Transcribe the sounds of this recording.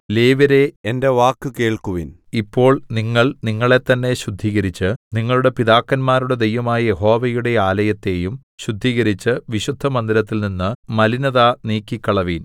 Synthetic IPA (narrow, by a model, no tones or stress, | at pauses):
le̞ːʋɐɾe̞ende̞ʋaːkːɨke̞ːɭkuʋḭn | ipːo̞ːɭniŋːɐɭniŋːɐɭe̞t̪ːɐnːe̞ɕud̪ʱːiːɣɐɾit͡ɕːɨniŋːɐɭuɽe̞piðaːkːɐnmaːɾuɽe̞d̪ejʋɐmaːjɐjeɦo̞ːʋɐjuɽe̞aːlɐjɐt̪ːe̞ːjum | ɕud̪ʱːiːɣɐɾit͡ɕːɨʋiɕud̪ʱːɐmɐnd̪ilɐt̪ːilninːɨmɐlinɐðaniːkːikːɐɭɐʋiːn